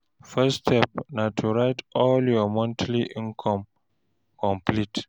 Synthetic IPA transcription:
fɛstʰɛp̚natʰuɹaɪtɔljɔmɔ̃ntʰliʔĩnkʰɔ̃m | kʰɔ̃mplit

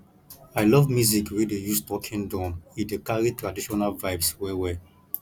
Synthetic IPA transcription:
aɪlɔvmjuzikwidejustɔkʰĩndɔ̃nĩdekaɹitɹadiʃɔnalvaɪvswɛwɛ

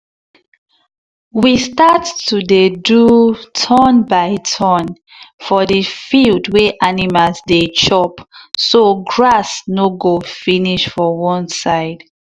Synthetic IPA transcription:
wistattːudedutʰɔnbaɪtʰɔn | fɔdəfildweʔanimalzdet͡ʃɔpsoɡɹasnoɡofiniʃfɔwɔ̃nsaɪd̥

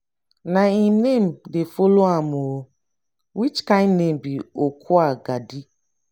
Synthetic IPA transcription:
naimnem̩defoloamoɾo | wit͡ʃkannem̩biokʰuaɡadi

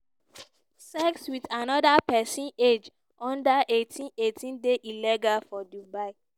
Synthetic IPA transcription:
sɛkswitanɔdapɛsĩned͡ʒ | ʔɔ̃ndaʔetʰĩnetʰĩndeʔilɛɡalfɔdubaɪ

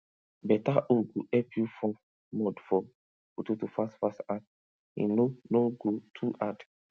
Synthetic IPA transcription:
bɛtaʔuɡoʔɛpjufɔ̃ | mɔdfɔ | kutotufastfastat | ḭ̃nonoɡotʰuʔad

